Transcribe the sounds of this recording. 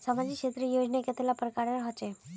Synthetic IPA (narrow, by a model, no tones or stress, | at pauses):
səmad͡ʑikʃet̪ɾijod͡ʒnaket̪elapɾəkaɾəɾɦət͡ʃe